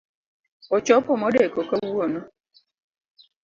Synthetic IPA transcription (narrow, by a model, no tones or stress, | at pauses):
ɔt͡ʃɔpʊmodekokowuonɔ